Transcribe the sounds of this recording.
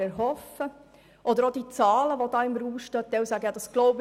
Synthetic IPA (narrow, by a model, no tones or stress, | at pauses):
ɛɾɦɔfə | ʔɔd̪əɾod̥̪it͡sɑːləʋod̪ɑːɪmɾuːʃtœt̪ːɛwsæɡəjɑːd̪̥ɑsɡ̥lɔʊbɪ